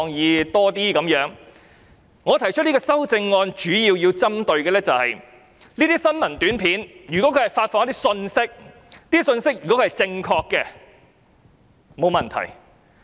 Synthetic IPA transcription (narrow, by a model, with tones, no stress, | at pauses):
ŋjiː˨˧t̪ɔː˥t̪iː˥kɐ˨˥mjœː˨˥ŋ | ŋɔː˨˧t̪ʰɐ˨˩jt͡ʃʰɵ˥t̚liː˥ɡɔː˧sɐ˥wt͡sɪ˧ŋːɔː˧nt͡ʃyː˨˥jiː˧wji˧wt͡sɐ˥mt̪ɵ˧ɥkɛː˧lɛː˥t͡sɐ˨whɐ̰˨j | niː˥t̪iː˥sɐ˥nmɐ˨˩nt̪yː˨˥npʰiː˨˥njyː˨kɔ˨˥kʰɵ˨˧hɐ˨˩jfaː˧t̚fɔː˨ŋɐ˥t̪i˥sɵ˧nsɪ˥k̚ | niː˥sɵ˧nsɪ˥k̚jyː˨˩kɔ˨˥kʰːhɐ˨˩jt͡sɪ˧ŋkʰɔː˧kːɛː˧ | mo˨˧wmɐ˨˩nt̪ʰɐ̰˨˩j